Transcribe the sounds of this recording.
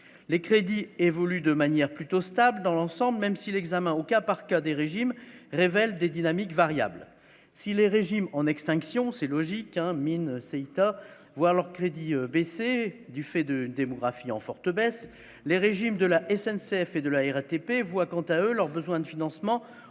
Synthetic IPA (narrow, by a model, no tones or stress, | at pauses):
lekχed̪ievɔlyd̪əmanjɛʁplyt̪ost̪abləd̪ɑ̃lɑ̃sɑ̃blmɛmsilɛɡzamɛ̃okapaʁkad̪eʁeʒimʁevɛld̪ed̪inamikvaʁja̰bl | sileʁeʒimɑ̃nɛkst̪ɛ̃ksjɔ̃sɛlɔʒikɛ̃minsɛit̪a | vwaʁlœʁkχed̪iøbesed̪yfɛd̪əynd̪emɔɡʁafiɑ̰̃fɔʁt̪əbɛs | leʁeʒimd̪əlaʔɛsɛnseɛfed̪əlaɛʁat̪epevwakɑ̃t̪aølœʁbəzwɛ̃d̪əfinɑ̃smɑ̃